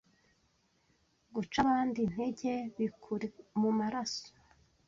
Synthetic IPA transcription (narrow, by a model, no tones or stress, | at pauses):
ɡut͡ʃaβaːndin̥he̞ɟe̞βikʰuɾemumaɾaso̥